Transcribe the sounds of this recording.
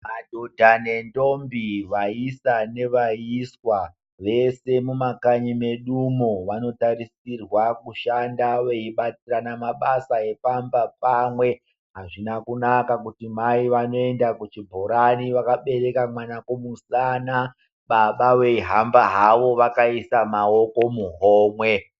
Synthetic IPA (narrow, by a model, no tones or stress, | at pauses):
madʱodʱanendo̞mbiʋaisane̞ʋaiswa | ʋe̞se̞mumakaɲime̞ɗumoʋano̞taɾisirwakuʃandaweiɓat͡siranamaɓasae̞pambapamwe̞ | ɦaʐinakunakakutimaiʋano̞e̞ndakut͡ʃibʱoɾaniʋakaɓe̞ɾe̞kamwanakomusana | ɓaɓaweiɦambaɦaʋo̞ʋakaisamao̞ko̞muɦoːmwe̞